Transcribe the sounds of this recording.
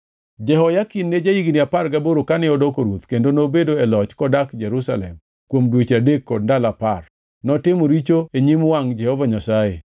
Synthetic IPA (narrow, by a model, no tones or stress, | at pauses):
d͡ʒɛɦɔjakinːed͡ʒajiɡiniaparɡaboɾokanɪɔdokoɾwot̪kendonobedoɛlɔt͡ʃkɔdakd͡ʒɛɾusalɛ̰m | kwomdwet͡ʃadekːɔd̚ndalapar | nɔtɪmɔɾit͡ʃoeɲimwaŋd͡ʒɛhɔvaɲasajḛ